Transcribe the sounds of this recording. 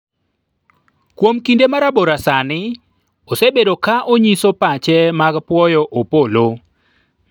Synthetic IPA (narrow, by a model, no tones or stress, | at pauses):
kwomkindemaɾaboɾasanɪ | osebedokaʔoɲisopat͡ʃɛmaɡpwɔjɔʔopolo